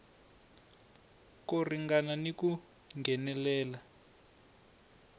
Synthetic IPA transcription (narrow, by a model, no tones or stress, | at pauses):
koriŋɡananiku | ŋɡʱɛnɛlɛːla